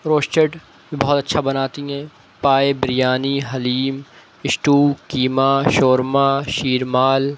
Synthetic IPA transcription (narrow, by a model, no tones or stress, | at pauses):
ɾoːʃt͡ʃəʈ | bibɔɦɔt̪ɐtːʃʰabɐnaːt̪iɦɛ̃ː | paːebɾijaːniɦɐliːm | ɪʃʈuːkiːmaʃoːɾmaʃiːɾmaːl